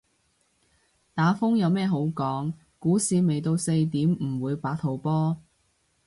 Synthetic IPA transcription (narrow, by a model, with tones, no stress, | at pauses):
t̪aː˨˥fʊ˥ŋjɐ˨˧wmɛː˥ɦo˨˥wkɔː˨˥ŋ | kuː˨˥siː˨˧me˨jt̪o˧wse˧jt̪iː˨˥mm̩˨˩wuː˨˧jpaː˨˥k̚t̪ʰo˨˩wpɔː˥